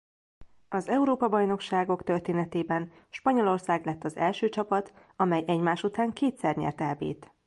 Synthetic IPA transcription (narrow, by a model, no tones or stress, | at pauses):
ɒzɛuɾoːpɒbɒjno̞kʃaːɡo̞kt̪ørt̪eːnɛt̪eːbɛn | ʃpɒɲo̞lo̞rsaːɡlɛt̪ːɒzɛlʃøːt͡ʃɒpɒt̪ | ɒmɛjɛɟmaːʃut̪aːŋkeːt̪sɛrɲɛ̰rt̪ɛlbḛːt̪